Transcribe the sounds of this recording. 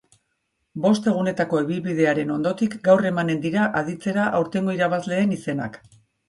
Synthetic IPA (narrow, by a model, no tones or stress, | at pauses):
bo̞st̪e̞ɣ̞une̞t̪ako̞eβilβið̞e̞aɾe̞no̞nd̪o̞t̪ikɡawre̞mane̞nd̪iɾaʔaðit͡se̞ɾaʔawɾt̪e̞ŋɡo̞iɾaβazle̞ːnise̞na̰k